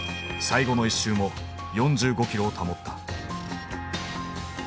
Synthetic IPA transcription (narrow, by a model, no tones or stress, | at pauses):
saiɡo̞no̞iɕːɨːmo̞ | jõ̞ɲ̟d͡ʑɨːɡo̞kʲiɾot̪ʰamo̞t̪ːḁ